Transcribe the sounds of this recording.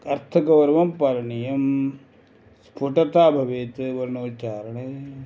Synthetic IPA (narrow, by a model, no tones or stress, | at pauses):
ɐɾt̪ʰɐɡɐʋɐɾʋɐmpɐɾɐɳijɐm | spʰuʈɐt̪aːbʱɐʋeːt̪ɨʋɐɾnoːt͡ʃaːɾɐɳeː